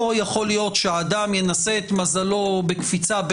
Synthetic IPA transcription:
ojaχo̞lijo̞tʃeaːd̪amjenase̞ːt̪mazalo̞bekfit͡sab

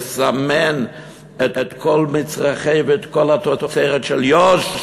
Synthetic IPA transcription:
samɛn | ɛtɛtkʰɔlmɪt͡sʁaχeɪvtkʰɔlatɔtɔt͡seɪʁətʃɛljɔʃ

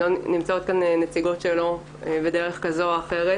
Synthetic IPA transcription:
onimt͡sao̞t̪̚kanenet͡siɡo̞tʃelo̞ | bedeʁeχkazo̞aχeʁe

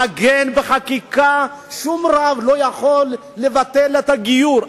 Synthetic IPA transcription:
aɡenbeχakikaʃumɾavlo̞jaχo̞lː | evat̪elet̪aɡijuɾ

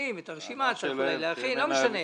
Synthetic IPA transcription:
imet̪aʁʃimat͡saulajleaχinlomeʃane

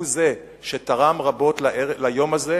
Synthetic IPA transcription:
uze̞ | ʃet̪aʁamʁabo̞tlalajo̞maze

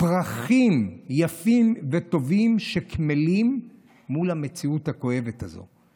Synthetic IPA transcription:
pʁaχimjafimveto̞vimʃekmelimː | ulhame̞t͡siuthako̞e̞vetazo̰

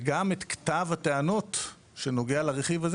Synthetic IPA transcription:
ɡamet̪kt̪avateano̞t | ʃeno̞ɡealaʁeχivaz

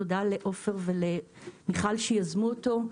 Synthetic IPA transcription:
od̪ale̞ʔo̞fe̞ʁve̞lemiχalʃejazmuoto̞

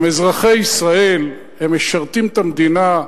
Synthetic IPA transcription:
mezʁaχeisʁae̞l | hemːeʃaʁt̪imt̪amd̪ina

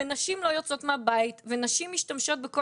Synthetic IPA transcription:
enaʃimlo̞jot͡so̞t̪mabajit̪venaʃimiʃtamʃo̞t̪̚beko

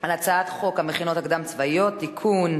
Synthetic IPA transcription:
alat͡saat̪χo̞khameχino̞t̪hakd̪amt͡svajot̪ːikʰun

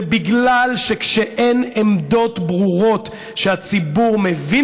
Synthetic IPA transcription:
biɡlalʃekʃeʔe̞nemd̪o̞t̪bʁuʁo̞t̪ | ʃehat͡sibuʁme̞vi

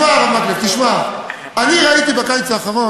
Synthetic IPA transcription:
aʁavmakleft̪iʃma | aniʁait̪ibakajt͡saːχaʁo̞

